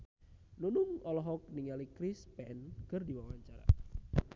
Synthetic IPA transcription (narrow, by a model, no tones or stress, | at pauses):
nunʊŋɔlɔɦɔk̚niŋalikɾispɛnkərdiwawaɲt͡ʃaɾa̰